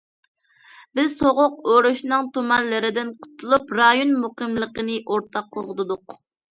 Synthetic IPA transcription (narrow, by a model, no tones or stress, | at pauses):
bɪzsoʁʊq̚øɾuʃnɨŋt̪ʰomɑnlɨɾɪd̪ɪnqʰʊ̥t̪ʰulˠupɾɑjonmuqəmlˠəqənɨʔoɾt̪ʰɑqʰːoʁət̪ɨd̪ʊq